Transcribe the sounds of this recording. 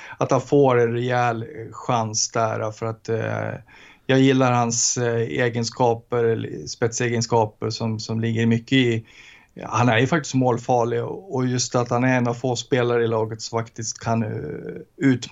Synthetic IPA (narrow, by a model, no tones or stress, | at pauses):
at̪hanfoːɾɛnɾɛɛːlɧansd̪æ̰ɾafœɾat̪ | jɑːɡjɪlːaɾhansḛːɡənskɑːpəɾspɛt̪seːɡənskɑːpəɾʂɔmsɔmlɪɡːəɾmʏkːəɪ | hanæɾjɵfak̚t̪ɪ̥st̪moːlfɑːɭɪɡɔjɵst̪at̪hanæɾɛnːavfoːspeːlaɾəɪlɑːɡət̪sɔfakt̪ɪst̪kʰan | ʉ̟ːt̪